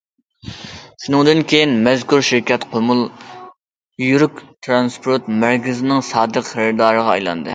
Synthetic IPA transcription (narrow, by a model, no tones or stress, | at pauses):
ʃunɨŋd̪ɨnkʲʰejinmɛzkʲuɾʃɪɾkʲɛt̪qʰomulˠ | jyɾykʲt̪ʰɾɑnspʰoɾt̪̚mæɾkʲɪzɪnɪŋsɑːd̪əqχəɾɪd̪ɑːɾəʁɑɑ̰jlˠɑ̰nd̪ɨ̰